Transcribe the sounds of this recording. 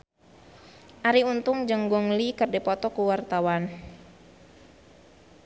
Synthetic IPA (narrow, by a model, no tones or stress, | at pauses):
ʔaɾiunt̪ʊŋd͡ʒəŋɡɔŋlikərdɛpɔt̪ɔkuwart̪awan